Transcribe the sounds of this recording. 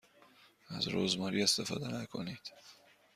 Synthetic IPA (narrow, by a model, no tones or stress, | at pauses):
æ̰zɾo̰ːzmɒːɾiːe̞st̪efɒ̰ːd̪ænækʰo̰niːd̪̥